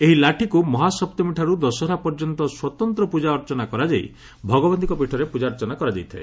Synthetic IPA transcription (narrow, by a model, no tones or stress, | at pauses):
eɦilaʈʰikumɔɦasɔp̚t̪ɔmiʈʰaɾud̪ɔsɔɾapɔɾd͡ʒɔnt̪ɔswɔt̪ɔnt̪ɾɔpud͡ʒaɔɾt͡ʃɔnakɔɾad͡ʒaj | bʱɔɡɔbɔnt̪ikɔpiʈʰɔɾepud͡ʒaɔɾt͡ʃɔnakɔɾad͡ʒajt̪ʰḛ